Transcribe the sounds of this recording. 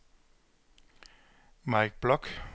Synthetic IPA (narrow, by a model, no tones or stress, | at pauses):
mɑɪk̚b̥lɔk